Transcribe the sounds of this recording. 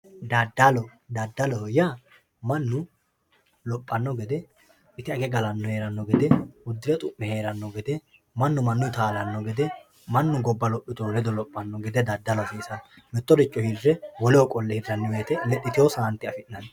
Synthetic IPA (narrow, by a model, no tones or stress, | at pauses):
d̪ɐd̪ːɐlɔd̪ɐd̪ːɐlɔhja | mɐnːʊ | lɔpʼːɐnːɔɡɛd̪ɛ | ɪt̪ɪɐɡɛɡɐlɐnːɔheːɾɐnːɔɡɛd̪ɛʊd̪ːɪɾɛt̪ʼʊʔːɛhe̞ːɾɐnːɔɡɛd̪ɛ | mɐnːʊmɐnːʊt̪aːlɐnːɔɡɛd̪ɛ | mɐnːʊɡɔbːɐlɔpʼːɪt̪ɔwɔlɛd̪ɔlɔpʼːɐnːɔɡɛd̪ɛd̪ɐd̪ːɐlɔfiːsɐ | mɛt̪ːɔɾɪt͡ʃʼːɔhirːɛwɔlɛkʼɔlːɛhɪrːɐnːɔweːt̪ɛmɛt̪ʼːɪt̪ɪjoːsɐɐnt̪ːɪɐfɪʔnːɐn